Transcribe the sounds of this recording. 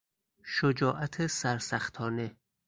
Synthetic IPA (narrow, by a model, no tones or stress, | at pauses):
ʃod͡ʒɒːʔæt̪ʰesæɾsæxt̪ʰɒːne